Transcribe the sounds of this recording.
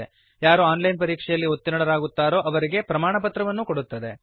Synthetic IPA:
e | jaːɾuaːnlɐjnpɐɾiːkʂɛjɐlːiot̪ːinɐɽɐɾaːɡut̪ːaːɾo̞ːʔɐʋɐɾiɡe̞pɾɐmaːɳɐpɐt̪ɾɐʋɐnːuko̞ɽut̪ːɐd̪e̞

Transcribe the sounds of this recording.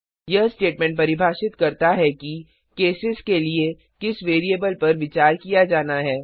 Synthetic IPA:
jɐɦsʈeːʈmɛ̃ɳʈ̚pɐɾɪbʱaːʃɪt̪kɐɾt̪aɦɛki | keːsɪzkelie | kɪsʋeːɾiebəlpɐɾʋɪt͡ʃaːɾkijad͡ʒaːnaɦɛː

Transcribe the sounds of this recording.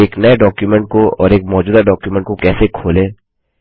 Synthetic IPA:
eːknɐjeɖɔːkjumɛ̃ɳʈ̚koɔ̰ːɾeːkmɔːd͡ʒuːd̪aɖɔːkjumɛ̃ɳʈkokɛːsekʰoːlẽː

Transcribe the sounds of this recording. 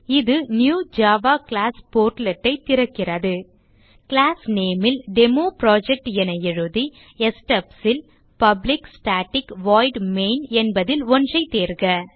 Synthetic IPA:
ɪðɯnjuːd͡ʒaːʋaːklaːspoːɾʈlɛʈːɐɪt̪ːɪɾɐkːɪrɐðɯ | kɪlaːsneːmɪlɖɛmoːpɾaːd͡ʒɛk̚ʈjɛnɐjɪɻɯði | ɛsʈɐpsɪl | pɐblɪksʈaːʈːɪkʋaːɪɖmeːnɛnbɐðɪlɔndrɐɪt̪eːɾɡɐ

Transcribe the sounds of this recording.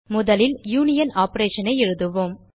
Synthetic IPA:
mʊðɐlɪljuːnɪjɐnaːpɐɾeːʂɐnɐɪɛɻɯðɯʋoːm

